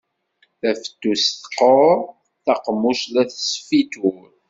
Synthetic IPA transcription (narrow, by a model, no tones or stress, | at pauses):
θæfə̥t̪ːusθqoɾ | θɑqmuʃlæθsfit̪uɾ